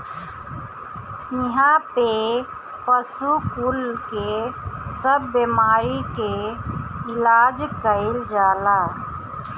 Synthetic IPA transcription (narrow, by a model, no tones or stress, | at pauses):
iɦãpe | pəsukulkesəbːemaɾike | ilad͡ʒkəɪld͡ʒala